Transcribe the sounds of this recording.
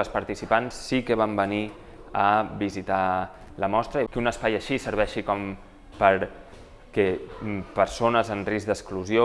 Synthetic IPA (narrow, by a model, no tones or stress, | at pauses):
əspəɾt̪isipansːikəβ̞ambəni | əbizit̪a | ləmɔst̪ɾəkunəspajəʃisəɾβ̞ɛʃikɔm | pəɾ | kɛpəɾsonəzənrizd̪əskluzio